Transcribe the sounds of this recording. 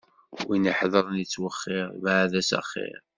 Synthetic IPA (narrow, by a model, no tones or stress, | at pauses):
winəħðˤəɾˤnit͡sːwəχːɪʁvʕðæsə̰χːɪ̰ɾ